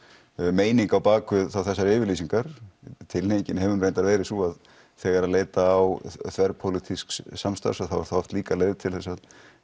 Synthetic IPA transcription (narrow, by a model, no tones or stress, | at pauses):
meːjniŋkawpaːkʏθawθɛsːaɾɪːvɪɾliːsiŋkaɾ̥t̪ʰɪlnecɪnɦɛvʏnreːjnt̪aɾvɛːɾɪsuað | θɛːɣaɾaðleːjt̪aːwθvɛɾpʰowlit̪ʰisksamst̪a̰ɾsḁθawɾθawaft̪liːkaleːjðt̪ʰɪlθɛsːað